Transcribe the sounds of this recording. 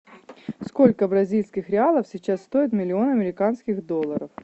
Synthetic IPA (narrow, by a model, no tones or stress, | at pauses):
sko̞lʲkəbɾɐzʲilʲskʲɪxɾʲɪalˠəfsʲɪt͡ɕasːt̪o̞ɪt̪mʲɪlʲɪo̞nɐmʲɪɾʲɪkanskʲɪɣd̪o̞lˠːəɾəf